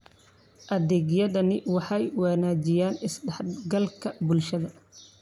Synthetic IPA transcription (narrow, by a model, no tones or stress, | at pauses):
ʔɐðɛːɣjɐðɐnɪwɑħɑjwɑːnaːt͡ʃɪjaːnɪsɖɛħɡɐlkʰɐbʊlʃɐðɐ